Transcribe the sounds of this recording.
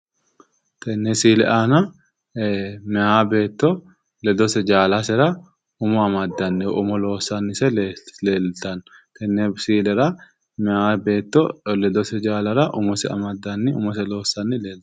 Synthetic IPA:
t̪ʰɛnːɛsiːlɛ̰ʔaːnɐ | mɛhaːbeːt̪ːɔ | lɛd̪ɔsɛd͡ʒaːlasɛɾa | ʊmɔɐmad̪ːɐnːɛʔʊmɔloːsːanːɪsɛleːlt̪ɐnt̪ɛnːɛbsiːlɛɾa | mɛaːbeːt̪ːɔlɛd̪ɔsɛd͡ʒaːlɐɾaʔʊmɔsɛɐ̰mad̪ːɐnːɪʊmɔsɛloːsːɐnːɪleːlt̪

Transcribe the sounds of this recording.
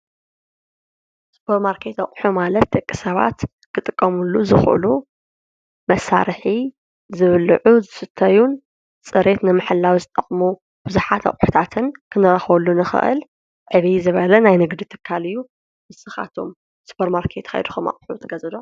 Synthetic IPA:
su̥pʰɐɾmaɾkʰe̞t̪ɐkʼħumalɐt̪̚d̪ɐkʼːisɐβa̰t̪ | kʰɨt̪ʼɨkʼːɐmulːuzɨxʔɨ̰lu | mɐsːa̰ɾħi | zɨβlʕuzɨsɨt̪ʰːɐjun | t͡sʼɨɾe̞t̪nɨmaħɨlːawizɨt̪ʼɐχʼmu | b̥ɨzuħat̪ɐ̰χʼħu̥t̪ʰat̪ʰɨnkʰɨnɨɾɐxβɐlːunɨxɨ̰ʔɨ̰l | ʕɨβizɨβɐlɐnajnɨɡd̪it̪ʰɨ̥kʰːalɨjːu | mɨsɨxa̰t̪ʰo̞̰m | su̥pʰɐɾmaɾkʰe̞t̪ka̰jd̪uxomɐ̰χʼħut̪ʰɐɡɐzɨd̪om

